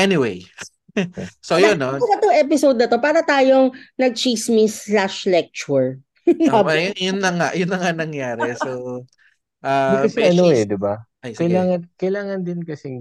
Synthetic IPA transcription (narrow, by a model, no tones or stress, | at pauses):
ʔɛnɪwej | sojonːoɐt̪ʊʔɛpɪsowd̪̚nɐt̪o̞paːɾɐt̪aːjoŋnɐɡ̚t͡ʃismislaʃlɛk̚t͡ʃuɹ | mɐjʊnjʊnːɐŋaʔjʊnːɐŋanɐŋjaːɾɛso | ʔaːsɛnɪwejd̪ɪbaʔɐjkɐjlaːŋɐkɐjlaːŋɐnd̪ɪnkɐsɛ